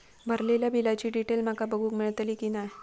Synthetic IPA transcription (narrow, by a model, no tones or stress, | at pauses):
bʱəɾleljabʱilat͡ɕiːɖiʈelmakabəɡuːkmiɭt̪likinaj